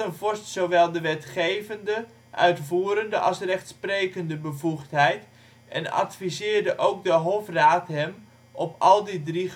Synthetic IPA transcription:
ənvɔɹstsowʋɛlˠdəʋɛtχejvəndə | ʔœ̰ɥtfuːɾəndəʔɑlˠsrɛχtsprejkəndəbəvuχtɦɛjt | ɛ̰nɑ̰tfizɪːɹdəʔowk̚dəɦɔfraːtɦɛm | ʔɔpɑlˠdidri

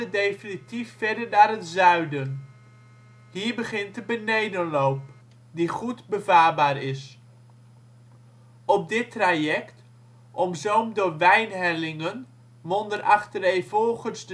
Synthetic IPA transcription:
ədejfinitifːɛɹdəɹnaːɾətzœɥdən | hiːɹbəχɪntəbənejdənlowp | diχudbəvaːɹbaːɹɪs | ɔb̚dɪtrajɛkt | ʔɔmzowmdəʋɛjnɦɛlɪŋən | mɔndərʔɑχtərejvɔlˠχənzd

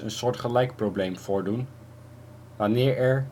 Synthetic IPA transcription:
ə̰nsʊːɹtχəlɛjkproblejmfʊːɹdun | ʋanɪːɹɛɹ

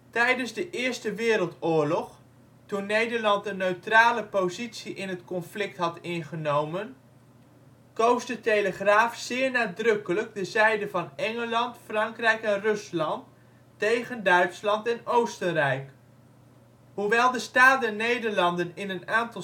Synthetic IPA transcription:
tɛjdənzdəʔɪːɹstəʋɪːɾəlˠtʊːɹlɔχ | tunːejdəɹlɑntənøɥtraːləpozitsiʔɪnɦətkɔnflɪk̚tɦɑtɪnχənowmən | kowsdətejləχraːfsɪːɹnaːdrɵkələɡ̚dəzɛjdəvɑnɛŋəlɑntfrɑŋkrɛjkɛnrɵslɑntː | ejχəndœɥtslɑntɛnowstərɛjk | huʋɛlˠdəstaːt̚dɛnːejdəɹlɑndənɪnənaːntɑ

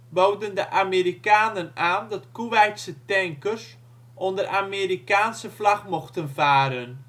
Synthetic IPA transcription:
bowdəndəʔameːɾikaːnənaːndɑtkuʋɛjtsətɛŋkərs | ʔɔndərʔameːɾikaːnsəflaxmoxtənvaːɾən

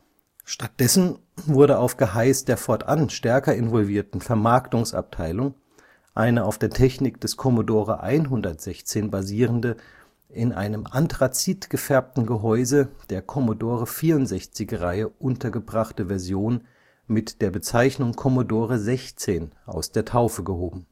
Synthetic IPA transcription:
ʃtat̚d̥ɛsn̩ | vʊɐɾəaʊfɡ̥əɦaɪsd̥eːɐfɔɐtʔanʃtɛɐkɐɪnvɔlviːɐtn̩fɛɐmaɐktʊŋsʔa̰p̚tʰaɪlʊŋ | ʔaɪnəaʊfd̥eːɐtʰɛçnɪkd̥ɛskʰɔmodoːʁəʔa̰ɪnɦʊndɐtz̥ɛçt͡seːnbaziːʁ̞əndə | ʔɪnʔa̰ɪnəmʔantʁ̥at͡siːtɡ̥əfɛɐp̚tn̩ɡəɦɔʏzəd̥eːɐkʰɔmodoːʁəfiːɐʊntz̥ɛçt͡sɪçʁaɪəʔʊntʰɐɡəbʁaχtəvɛɐzjoːn | mɪtd̥eːɐbət͡saɪçnʊŋkʰɔmodoːʁəzɛçt͡seːnʔa̰ʊsd̥eːɐtʰaʊfəɡəhoːbm̩

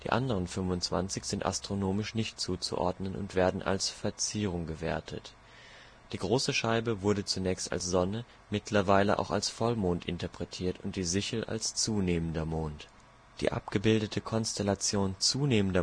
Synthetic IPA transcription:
d̥ḭːʔa̰ndəʁ̞ənfʏmvʊnt͡sv̥a̰nt͡sɪçz̥ɪntʔa̰stʁ̥onoːmɪʃnɪçtt͡suːt͡sṵʔɔ̰ɐdnənʊ̰ntv̥eːɐdn̩ʔa̰lsfɛɐt͡siːʁ̞ʊŋɡəveːɐtʰə̰t | d̥iːɡʁoːsəʃaɪbəvʊɐdət͡sunɛːçsta̰lsz̥ɔnə | mɪtʰlɐvaɪləʔa̰ʊxa̰lsfɔlmoːntʔɪntɐpʁ̥ɛtʰiːɐtʊnt̚d̥iːzɪçl̩ʔa̰lst͡suːneːməndɐmoːnt | d̥ḭːʔa̰pɡ̥əbɪldətʰəkʰɔnstʰɛlat͡sjoːnt͡suːneːməndɐ

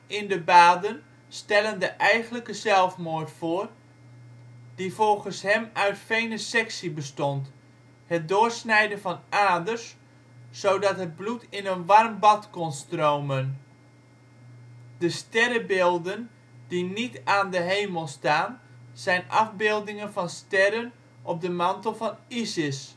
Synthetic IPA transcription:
ɪndəbaːdən | stɛləndəʔɛjɣənləkəzɛlˠfmoːrtfʊːr | d̥ifɔlˠɣənshɛmœɥtfejnəsɛksibəstɔnt | hət̚dʊːrsnɛjdəfɑnaːdərsː | owdɑtɦəd̚blutʰɪnənʋɑrmbɑtkɔnstrowmən | d̥əstɛrəbɪːlˠdən | dinitaːndəɦejməlˠstaːnz̥ɛjnʔɑfbɪːlˠdɪŋənfɑnstɛɾən | ʔɔp̚dəmɑntəl̩ˠfɑnisɪs

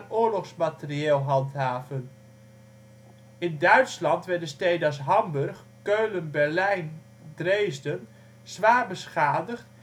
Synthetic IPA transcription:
nʊːɹlɔχsmatɪrieːlˠɦɑntɦaːvən | ɪndœɥtslɑntʋɛɹdəstejdas̬ɦɑmbɵɹχ | køɥlənbɛɹlɛjn | drejzdən | z̥ʋaːrbəsχaːdəχt

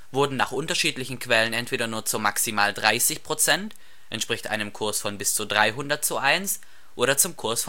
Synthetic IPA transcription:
v̥ʊɐdn̩naːχʔʊntɐʃiːtlɪçn̩kʰv̥ɛlənɛntv̥eːɾɐnuːɐt͡sumaksimaːldʁaɪsɪçpʁ̥ot͡sɛnt | ʔɛntʃpʁ̥ɪçtʔa̰ɪnəmkʰʊɐsfɔnbɪst͡sudʁaɪɦʊndɐt̚t͡suʔaɪns | ʔoːɾɐt͡sʊmkʰʊɐsf

